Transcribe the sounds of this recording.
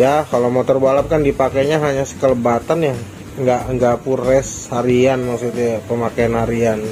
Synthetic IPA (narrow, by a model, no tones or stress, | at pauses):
jakalomot̪ɔrbalap̚kandipakaɲaɦaɲasə̥kələbat̪anja | ŋɡaʔŋɡapurɛshaɾianmaksut̪uapəmakaanhaɾian